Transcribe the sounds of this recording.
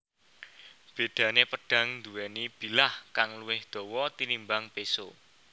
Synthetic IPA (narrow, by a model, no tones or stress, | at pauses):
b̥e̤d̪̥ä̤nepəɖ̥a̤ŋnd̪uwɛnib̥i̤lahkaŋluwɪhd̪̥ɔ̤wɔt̪ilimbaŋpeso